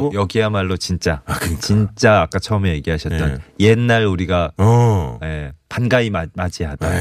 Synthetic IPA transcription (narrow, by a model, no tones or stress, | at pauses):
jʌɡiɦamaɭːot͡ɕint͡ɕ͈at͡ɕint͡ɕ͈aːk͈at͡ɕʰʌɯmeje̞ɡiɦaɕʰʌttt͈ʌnjenːaɾuɾiɡa | epanɡaimamad͡ʑiɦad̥a